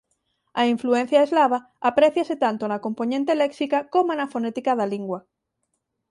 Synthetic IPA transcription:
aiɱfluẽn̟θjaezlaβ̞aːpɾeθjaset̪ant̪onakomponẽnt̪eleksikakomoenafonet̪ikaðaliŋɡwa

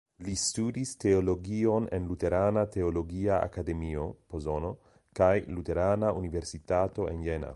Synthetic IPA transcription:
listudiste̞olo̞ɡio̞nḛnlute̞ɾanate̞olo̞ɡiaa̰kade̞mio̞pozo̞no | kajlute̞ɾanaunive̞ɾsitato̞ʔenjena̰

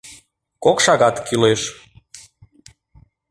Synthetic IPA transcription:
kokʃɑɣɑt̪kyleʃ

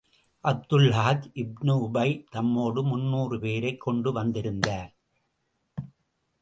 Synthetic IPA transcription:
ʔɐb̚d̪ʊlɦaːt̪ʔɪb̚nɯʊbɐɪt̪ɐmːoːɽɯmʊnːuːrɯpeːɾɐɪkʰːɔɳɖɯʋɐnd̪ɪɾɯnd̪aːɾ

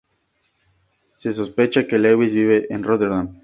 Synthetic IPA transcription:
se̞s̬o̞spe̞t͡ʃakelewizβiβ̞e̞ʔenrot̪eɾðan

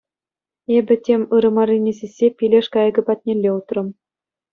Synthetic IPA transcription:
ebʲɘ̆tʲemʲɯɾɤ̆mɑrʲinʲesʲesʲːepʲilʲeʂkɑjɤ̆ɡʲɘ̆pɑt̪̚ʲnʲelʲːeut̪rɤ̆m

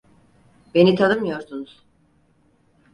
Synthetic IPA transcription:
be̞nit̪ʰanɯmjo̞ɾd̪unuz̥

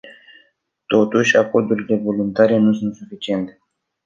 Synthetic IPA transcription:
t̪o̞t̪uʃʲako̞rd̪uɾile̞vo̞lunt̪aɾe̞nusunt̪sufit͡ʃie̞nt̪e

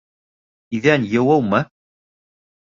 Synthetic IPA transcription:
iðænjɤ̆wɤwmɤ

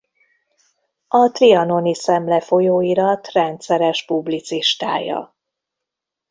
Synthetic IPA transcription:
ɒt̪riɒno̞nisɛmlɛfo̞joːiɾɒt̪rɛnt̪sɛɾɛʃpublit̪siʃt̪a̰ːjɒ̰

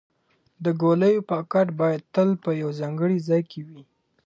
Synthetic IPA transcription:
d̪əɡoləjopɑkaʈbɑjad̪̚t̪əlpəjawzɑŋɡəɽizɑjkʰewi

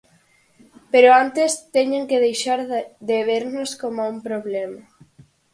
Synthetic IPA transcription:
peɾoant̪est̪eɲeŋkeðejʃaɾðeβeɾnoskomaumpɾoβlɛmɐ

